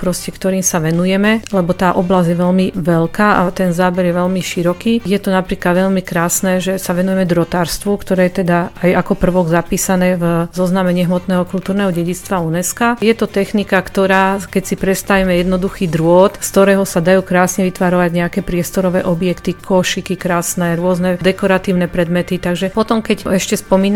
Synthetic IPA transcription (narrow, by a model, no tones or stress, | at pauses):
pɾɔscɛkt̪ɔɾiːmsaʋɛnujɛmɛlɛbɔt̪aːʔɔblazjɛʋɛʎmiʋɛlkaːʔa̰t̪ɛnzaːbɛɾjɛʋɛʎmiʃiɾɔkiːjɛt̪ɔnapɾiːklad̪ʋɛʎmikɾaːsnɛːʒɛsaʋɛnujɛmɛd̪ɾɔt̪aːɾst̪ʋukt̪ɔɾɛːjɛt̪ɛd̪aajakɔpr̩ʋɔɡzapiːsanɛːvzɔznamɛɲɪɛɦmɔt̪nɛːɦɔkult̪uːɾnɛːɦɔɟɛɟit͡st̪ʋaunɛskajɛt̪ɔt̪ɛxnikakt̪ɔɾaːkɛcsipɾɛt̪st̪aʋimɛjɛd̪nɔd̪uxiːd̪ɾʊɔt̪st̪ɔɾɛːɦɔsad̪ajuːkɾaːsɲɛʋit̪ʋaɾɔʋaɟɲɛakɛːpɾɪɛst̪ɔɾɔʋɛːʔɔbjɛkt̪ikʰɔʃikikɾaːsnɛɾʊɔznɛd̪ɛkɔɾat̪iːʊnɛpɾɛd̪mɛt̪it̪aɡʒɛpɔt̪ɔmkɛcɛʃcɛspɔmiːn